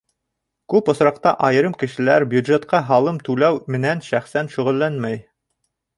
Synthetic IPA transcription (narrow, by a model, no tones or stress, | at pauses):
kʉpŏsɾɑqt̪ɑʔɑjɤ̆ɾɤmkɘ̆ʃɘ̆læɾbjud̪ʒet̪̚qɑɦɑlˠɤmt̪ʉlæwmɘ̆nænʃæχsænʃɵ̆ʁɘ̆lːænmæj